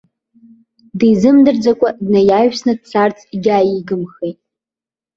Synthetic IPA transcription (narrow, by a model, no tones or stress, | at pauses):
dizɨmdɨrd͡zakʷʼadnajaɥᶣsnɨd̚t͡sʰart͡sʰʼɡʲajiɡɨmχejtʼ